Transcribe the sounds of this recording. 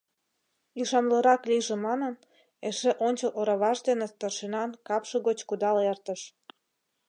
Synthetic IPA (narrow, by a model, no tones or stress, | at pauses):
iʃɑmləɾɑkliʒĕmɑnən | eʃeʔonʲt͡ɕəlʔoɾɑβɑʃd̪enet̪ərʃenɑnkɑpʃɤ̆ɣot͡ɕkud̪ɑlert̪ə̆ʃ